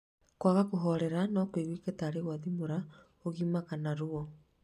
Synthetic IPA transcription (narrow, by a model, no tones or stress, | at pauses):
kwaɣakoɦɔɾɛɾanɔkweɣwiketaːɾeɣwaðimoɾa | oɣimaɣanaɾoɔ